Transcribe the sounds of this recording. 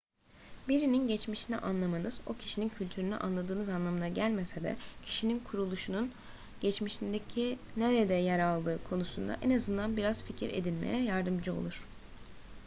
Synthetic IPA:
biɾininɟɛt͡ʃmiʃinḭʔanlˠamanɯzo̞cʰi̥ʃinincʰylʲt̪ʰyɾynyʔa̰nlˠad̪ɯːnɯzanlˠamɯnaɟælʲme̞sed̪ɛ̰cʰi̥ʃininkʰuɾulˠuʃunun | ɟɛt͡ʃmiʃind̪ecʰineɾed̪ɛjɛɾalˠd̪ɯːkʰo̞nusund̪a̰ʔenazɯnd̪anbiɾaz̥ficʰiɾʔe̞̰d̪ilʲmḛjɛjaɾd̪ɯmd͡ʒɯo̞̰lˠuɾ̝̥

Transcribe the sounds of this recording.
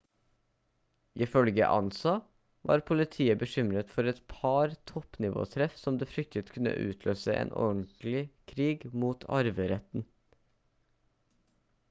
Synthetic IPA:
ʔɪfœlɡə̰ʔɑ̰nsɑ | ʋɑ̰ːɾpʰʊlɪt̪ʰiːəbəʃʏmɾət̪fɔɾɛt̪pʰɑɾt̪ʰɔpnɪʋo̰ːt̪ʰɾɛfsɔmd̪eːfɾʏk̚t̪ət̪kʰʉnːə̰ʔʉ̰ːt̪ʰløːsəʔḛːnʔɔ̰nt̪lɪkʰɾiːɡmuːt̪ʰɑ̰ɾʋəɾɛt̪n̩

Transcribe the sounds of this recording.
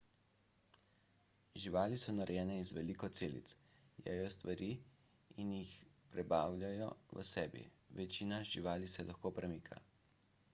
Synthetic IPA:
ʒiʋaːlisɔnaɾɛjɛːnɛizʋɛlikɔt̪seːlḭt̪sjɛ̰jɔst̪ʋaɾiː | injixpɾɛbaːwlʲjajɔʋə̰sɛːbḭʋɛt͡ʃiːnaʒiʋaːlisɛlʔaxkoːpɾɛmiːkʰa̰

